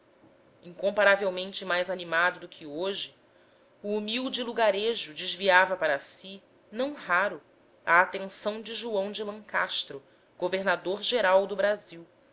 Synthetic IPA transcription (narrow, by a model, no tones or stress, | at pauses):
ĩŋkõmpaɾavewmẽnt͡ʃɪmajzanimad̪ʊd̪ʊkʲʰɪoʒɪ | uːmiwd͡ʒɪluɡaɾeʒʊd͡ʒɪzviavɐpaɾɐsi | nɐ̃w̃ɦaɾʊ | ɐ̰ːt̪ẽŋsɐ̃w̃d͡ʒɪʒuɐ̃w̃d͡ʒɪlɐ̃ŋkaʃt̪ɾʊ | ɡ̥oveɾnad̪oɾʒeɾawd̪ʊbɾaziw